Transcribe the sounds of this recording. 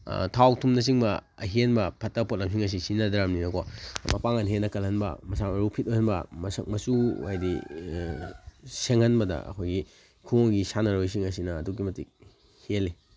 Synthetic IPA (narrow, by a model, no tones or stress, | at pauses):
tʰawtʰumnɐs̬iŋbɐ | ɐɦinbɐpʰɐtːɐpʰot̚lɐmsiŋɐs̬isinɐdɾamninɐkomɐpaŋanɦenɐkɐlhɐnbɐ̰mɐsamɐɾupʰit̚ojhɐnbɐ̰mɐsɐ̰kmɐsuajdi | seŋhɐnbɐdɐ̰ɐ̰kʰojɡi | kʰuoɡisanɐɾojs̬iŋɐs̬inɐːdukimɐtḭk̚ | heli